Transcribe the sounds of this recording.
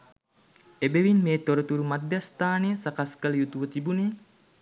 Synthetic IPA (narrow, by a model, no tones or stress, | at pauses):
ebeʋinmeːt̪oɾət̪uɾumad̪jast̪aːnejəsakaskələjut̪uʋət̪ibuneː